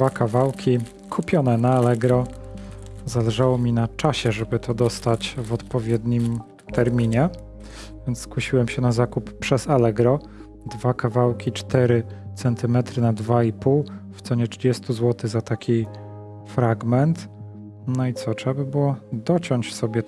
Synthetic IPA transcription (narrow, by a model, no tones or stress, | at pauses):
d̪vakavawkʲi | kʰupʲjɔnɛnaalɛɡɾɔ | zalɛʐawɔmʲinat͡ʂaɕɛʐɛbɘt̪ʰɔd̪ɔst̪at͡ɕvɔt̪pɔvʲjɛd̪ɲim | t̪ʰɛɾmʲiɲɛ | vʲjɛnt̪sskwuɕiwɛmɕɛnazakuppʂɛzalɛɡɾɔ | d̪vakavawkʲit͡ʂt̪ɛɾɘt̪sɛnt̪ɘmɛt̪ɾɘnad̪vaipuwft̪sɔɲɛtʂɘd͡ʑɛst̪uzwɔt̪ɘzat̪akʲi | fɾaɡmɛnt̪ | nɔit̪sɔtʂɛababɨwɔd̪ɔt͡ɕɔɲt͡ɕsɔbʲjɛ